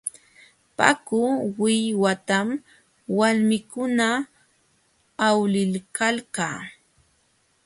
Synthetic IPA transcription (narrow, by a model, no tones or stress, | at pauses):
pa̰kʊwɪjwat̪am | walmɪkʊna | wlɪlkalkaː